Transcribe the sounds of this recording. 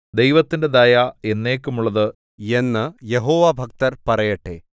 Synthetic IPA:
d̪ejʋɐt̪ːinde̞d̪ajae̞nːe̞ːkːumuɭːɐðɨ | e̞nːɨje̞ɦoːʋabʱɐk̚t̪ɐrpɐrɐjɐʈːḛː

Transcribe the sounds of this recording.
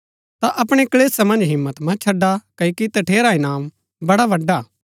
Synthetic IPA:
t̪aʔɐpɽ̃ekɐleːsɐmɐ̃nd͡ʒɦɪmːət̪mɐ̃t͡ʃʰɐɖːakɐikit̪ɐʈʰeːɾaɪnaːm | bɐɽaʋɐɖa

